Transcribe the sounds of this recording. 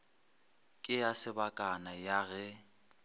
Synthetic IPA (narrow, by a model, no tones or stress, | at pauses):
kʼɪasɪbakʼanajaɣɛ